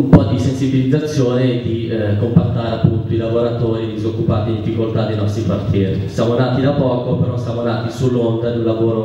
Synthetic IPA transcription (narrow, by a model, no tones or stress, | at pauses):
umpɔd̪isensibilid̪zːat̪sːjoːned̪ikompat̪ːaːɾeapːunt̪oilavoɾat̪oːɾied̪izokːupat̪id̪ifːikolt̪ad̪ejnɔst̪ɾipart̪ʰjɛːɾisjamonaːt̪id̪apɔːkopeɾɔsjamonaːt̪isulːond̪anelːavoːɾo